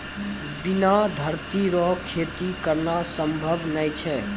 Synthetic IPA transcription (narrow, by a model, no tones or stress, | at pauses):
binad̪ʱəɾt̪iɾɔkʰːet̪ikəɾnasəmbʱəbnəjt͡ʃʰɛ